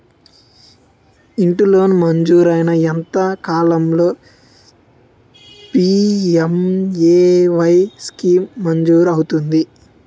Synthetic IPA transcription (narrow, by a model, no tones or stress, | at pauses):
iɳʈilo̞ːnumɐɲd͡ʒuːɾɐjnɐent̪ɐkaːlɐmlo̞ː | piemeːʋɐjskiːmːɐɲd͡ʒuːɾɐwut̪und̪i